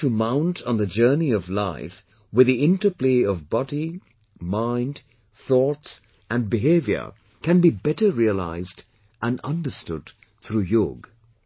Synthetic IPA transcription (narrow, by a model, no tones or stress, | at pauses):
tɨmãʊ̃ntʰn̩ðɨd͡ʒɜ˞niʌvlaɪf | wɨðiɪ̃ntəpliʌvbɑdi | mãɪ̃nd | θɔts | ʔɨ̃nbɪɦeɪvjə̰˞ | kʰɨ̃nbibɛɾəɹiəla̰ɪzd | ʔæ̃nʌ̃ndə˞stʊ̰d | θʰɾujʊɡ